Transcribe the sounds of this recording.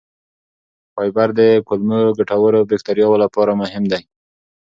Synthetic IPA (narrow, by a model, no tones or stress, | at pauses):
pɑjbaɾd̪əkʊlməɡaʈawəɾobɪk̚t̪aɾjɑwolapɑɾamʊɦɪmd̪aj